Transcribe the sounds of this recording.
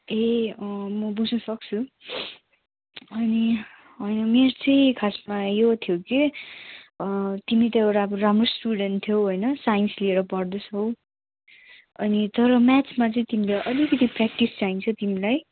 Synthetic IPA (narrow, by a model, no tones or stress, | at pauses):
eʌmʌbud͡znʌsʌk̚t͡sʰu | ʌni | ɦʌjnʌmeɾt͡sʌj̃kʰasmajot̪ʰjoki | t̪imit̪eɾaboɾamrosʈuɽenʈt̪ʰːjoɦojnʌsajnslieɾʌpʌrd̪osʰɦʌw | ʌnit̪ʌɾʌmat͡smat͡sʌĩt̪imilajʔʌlikʌt̪iprak̚ʈist͡saint͡sʰʌt̪imilaj